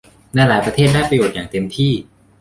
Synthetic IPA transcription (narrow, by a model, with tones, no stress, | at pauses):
naː˧˩laː˩˦jpɾa˧t̪ʰeː˥˩t̚daː˥˩jpɾa˧joː˨˩t̪̚jaː˨˩ŋt̪e˧mt̪ʰiː˥˩